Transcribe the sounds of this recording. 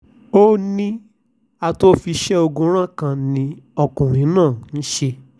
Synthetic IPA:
o˦nĩ˦ | a˧to˦fi˧ʃɛ˦o˧ɡũ˧˦ɾ̃ã˦kã˨nĩ˧˦ɔ˧kũ˨ɾ̃ĩ˨˦nãː˦˨n̩˦ʃe˧

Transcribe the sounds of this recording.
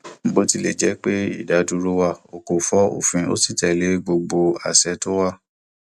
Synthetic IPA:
m̩˦bo˦ti˦le˦˨d͡ʒɛ˨˦k͡pe˦ḭ˦˨da˨˦du˧˦ɾo˧˦wa˧˨o˨ko˨fɔ˨˦o̰˦˨fĩ˧o̰˦si˦˨tɛ˨le˨˦ɡ͡bo˧ɡ͡bo˧a̰˨sɛ˨˦to˦wa˦˨

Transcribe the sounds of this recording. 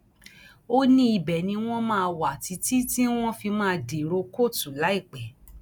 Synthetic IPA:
o˦nĩ˦i˧bɛ˨nĩ˧w̃ɔ̃˦mãː˦˧wa˨ti˨˧˦ti˦ti˦w̃ɔ̃˦fi˧mãː˦˧de˨ɾo˧ko˦˨tu˨la˨˦i˦˨k͡pɛ˨

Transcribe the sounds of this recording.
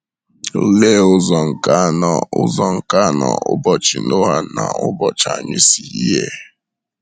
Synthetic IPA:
le˦ʊ˦zɔ˨ŋ̩˨ka˦nɔ˨ʊ̰˦zɔ˨ŋ̩˨ka˦˨nɔ̰˨ʊ˦bɔ˨t͡ʃi˨no˦ɦa˦na˨ʊ˦bɔ˨t͡ʃa̰˨ɲɪ˦si˨i˦ɦe˦

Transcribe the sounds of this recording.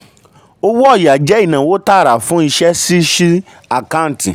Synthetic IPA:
o˦wɔ˦˨ja˨d͡ʒɛ˦i˨nã˨wo˦ta˦˨ɾa˨fũ˦i˧ʃɛ˦si˦ʃi˦ | a˨kã˦n˦ti˨

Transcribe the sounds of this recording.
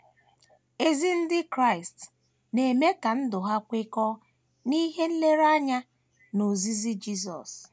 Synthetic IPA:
e˨zi˦n̩˦dɪ˦kɾa˦˨ɪ˨st | ne˨me˦ka˨n̩˦dʊ˨ɦa˦kʷe˦kɔ˦ | ni˦ɦe˦n̩˦le˦ɾa˦ɲa˦ | no˨zi˦zi˦d͡ʒi˦sɔ̰˨s

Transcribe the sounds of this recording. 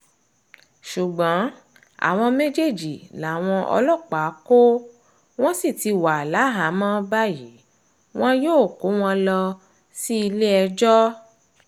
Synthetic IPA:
ʃu˨ɡ͡bɔ̃˨˦ | a̰˨w̃ɔ̃˧mẽ˦d͡ʒe˦˨d͡ʒi˨la˨w̃ɔ̃˧ʔɔ̰˧lɔ˦˨k͡pa˨˦ko˦ | w̃ɔ̃˦si˦˨ti˧wa˨la˨˦ɦa˨˦mã˦ba˦ji˨˦ | w̃ɔ̃˦joː˦˨ko˨˦w̃ɔ̃˦lɔ˧ | si˦i˧le˦ɛ˧d͡ʒɔ˦

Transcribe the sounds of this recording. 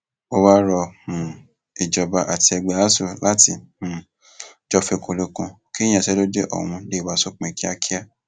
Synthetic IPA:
o˧wa˦ɾɔ˧mũ˨ | i˨d͡ʒɔ˨ba˧ʔa˨ti˧ɛ˧ɡ͡bɛ˨a˦su˦˨la˦ti˧˨mũ˨ | d͡ʒɔ˦fe˧ko˧lo˧kũ˧ | ki˦j̃ã˨sɛ˦lo˦d͡ʒe˦ʔɔ̰˦˨w̃ũ˧le˦˨wa˨˦so˦k͡pɛ̃˧˨ki˦a˦ki˦a˦˨

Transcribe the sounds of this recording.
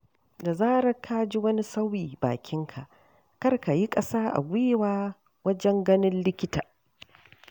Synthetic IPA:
da˨zaː˦ɽɐ˦kʰːaː˦d͡ʒi˦wɐ˦ni˦sa˦wjiː˨ba̰ː˨kʲɪ˦ŋkʰa˨ʔ | kɐ˦rka˨ji˦kʼɐ˦saː˦ʔa̰˨ɡʷe˦waː˦ | wɐ˦d͡ʒɛ˦ŋɡɐ˦nɪ˦nlɪ˦kʲɪ˦taː˨

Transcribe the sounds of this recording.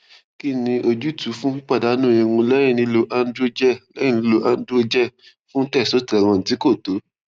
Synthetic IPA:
ki˦nĩ˧ʔo˧d͡ʒu˦˨tu˨˦fũ˦k͡pa˦˨da˨˦nũ˦˨jĩ˧wũ˧lɛ˦ɾ̃ĩ˦˨nĩ˧˦lo˧ʔa˧n˦dɾo˦o˧d͡ʒɛ˦˨lɛ̃˦ĩ˦˨nĩ˧lo˧ʔa˧n̩˦dɾo˧d͡ʒɛ˦˨ | fũ˦tɛ˦˨so˨˦tɛ˨ɾ̃ɔ̃˧n̩˨ti˨˦ko˦˨to˨˦

